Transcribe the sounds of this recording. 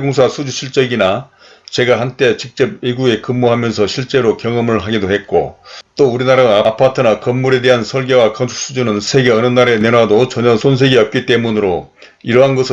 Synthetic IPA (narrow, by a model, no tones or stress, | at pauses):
eɡoŋsʰasʰud͡ʑuɕʰiɭt͡ɕ͈ʌɡina | t͡ɕe̞ɡaɦant͈e̞t͡ɕik̚t͡ɕ͈ʌb̚miɡuɡe̞kɯmːoɦamjʌnsʰʌɕʰiɭt͡ɕ͈e̞ɾokjʌŋʌmɯɭɦaɡidohe̞t̚k͈o̰t͈ouɾinaɾaapʰatʰɯnakʌmːuɾe̞de̞ɦansʰʌɭɡe̞wakʌnsʰu̥k̚s͈ud͡ʑunɯnsʰe̞ɡe̞ʌnɯnːaɾe̞ne̞nwadot͡ɕʌɲʌsʰons̬ʰe̞ɡiʌp̚k͈it͈e̞munɯɾo | iɾʌɦanɡʌsʰ